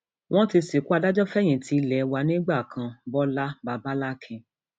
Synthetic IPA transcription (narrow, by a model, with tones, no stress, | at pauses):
w̃ɔ̃˦ti˧si˨ku˦a˧da˦d͡ʒɔ˦fɛ˦j̃ĩ˨tʰi˧˦lɛ˨wa˧nĩ˦ɡ͡ba˦˨kʰã˧bɔ˦la˦ba˧ba˦la˦kʰĩ˧